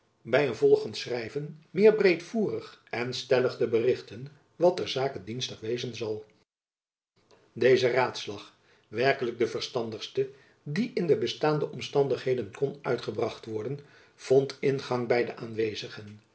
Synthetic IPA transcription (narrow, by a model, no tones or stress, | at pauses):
bɛjənvɔlˠχəntsrɛjvənmɪːɹbrejtfuːrəχɛnstɛləχdəbərɪχtən | ʋɑtɛɹzaːkədinstəχʋejzənzɑlˠ | dejzəraːtslɑχ | ʋɛɹkələɡ̚dəvəɹstɑndəχstə | diʔɪndəbəstaːndəʔɔmstɑndəχɦejdənkɔnœ̰ɥtχəbrɑχtʋɔɹdən | v̥ɔntɪnχɑŋbɛjdəʔaːnʋejzəχən